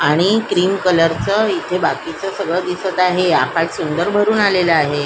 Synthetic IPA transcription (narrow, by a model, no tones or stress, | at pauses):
aɽ̃ikɾiːmkələɾt͡səit̪ʰebakit͡səsəɡɭəd̪isət̪aɦeakaɽsund̪əɾbʱəɾuːnaleləaɦe